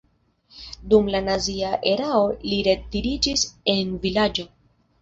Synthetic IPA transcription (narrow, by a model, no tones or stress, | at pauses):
dumlanaziaʔe̞ɾao̞liɾediɾid͡ʒise̞nvilad͡ʒo̞